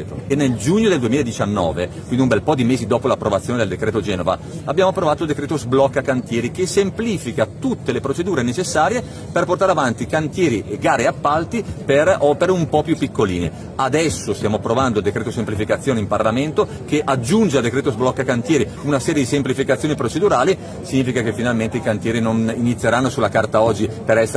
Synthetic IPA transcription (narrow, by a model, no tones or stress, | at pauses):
t̪oenːeld͡ʒuɲːod̪eld̪uemilaed̪it͡ʃanːɔ̰ːvekwind̪iumbɛlpɔd̪imeːzid̪oːpolapːɾovat̪sːoned̪eld̪ekɾeːt̪od͡ʒɛːnova̰ | abːjaːmoapːɾovaːt̪old̪ekɾeːt̪ozblɔkːakant̪jɛːɾikesempliːfikat̪ut̪ːelepɾot͡ʃed̪uːɾenet͡ʃesːaːɾje | perport̪aːɾeavant̪ikant̪jɛːɾiʔeɡaːɾeapːalt̪iperɔːpeɾeumpɔpjupːikːolḭːnḛ | ad̪ɛsːost̪jaːmoapːɾovand̪od̪ekɾeːt̪osemplifikat̪sːjoːneimparlament̪o | keʔad͡ʒːund͡ʒeald̪ekɾeːt̪ozblɔkːakant̪jɛːɾi | unasɛːɾjed̪isemplifikat̪sjoːnipɾot͡ʃed̪uɾaːli | siɲːiːfikakefːinalment̪eikant̪jɛːɾinoninit̪sːjeɾanːosulakart̪aɔd͡ʒːipeɾɛsː